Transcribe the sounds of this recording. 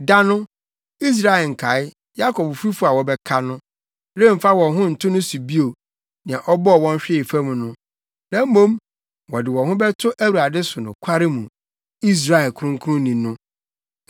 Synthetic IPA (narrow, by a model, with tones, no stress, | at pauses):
da˦nʊ̃˦ | i˦s̬ɾa˦˨ɛ˨ŋ̩˨kʰa˨ɪ˦ | ja˦kʰɔ˨bfi˦fʊ˦a˨wɔ˨bɛ˦kʰa˦nʊ̃˦ | ɾe˦˨m̩˨fa˦wɔ̃˨ɦʊ̃˦n̩˨tʰʊ̃˦nʊ̃˦su˨bi˦o˨ | nɪ̃˨ã˨ʔɔ˦bɔ˦ɔ˨wɔ̃˦n˦ɕᶣɪ˦ɪ˨fa˦mũ˨nʊ̃˦ | nã˨m˦mõ˦m | wɔ˨dɪ˨wɔ̃˨ɦʊ̃˦bɛ˦tʰʊ˦ʔæ˦wu˨ɾa˨dɪ˦sʊ˨nʊ̰̃˨kʷʰa˦ɾɪ˦mũ˨ | i˦s̬ɾa˨ɛ˨lkʰʊ˨˦ʊ̃˦ŋ˦kʰʊ˦ʊ̃˦nĩ˨nʊ̃˦